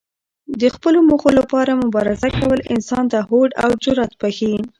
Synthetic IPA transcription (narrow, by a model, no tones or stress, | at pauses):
d̪əxpəlomuxolapɑɾamʊbɑɾɪzakawəlɪ̰nsɑnt̪ahoɖa̰wd͡ʒʊɾat̪̚pəxin